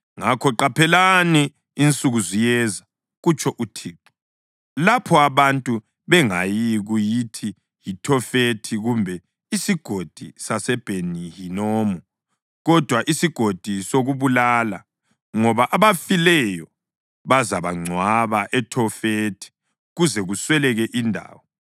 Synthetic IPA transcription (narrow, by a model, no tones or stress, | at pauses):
ŋakʰɔǃapʰɛlaniː | nt͡sʼuɣuzijɛza | ɣut͡ʃʰɔʔutʰiːǁɔ̥ | lapʰɔaβantʼu | βɛŋajiɣujitʰi | jitʰɔfetʰiɣumbʱɛ | isiɡ̥ʱod̥ʱisasɛb̥ʱenijinoːmu | ɣɔd̥ʱwaʔisiɡ̥ʱod̥ʱisoɣuβulaːla | ŋɔβaʔaβafilɛjɔ | βazaβaŋ͡ǀʱwaβaʔɛtʰɔfetʰi̥ | ɣuzɛɣuswɛlɛɣɛʔindʱa̰ːwɔ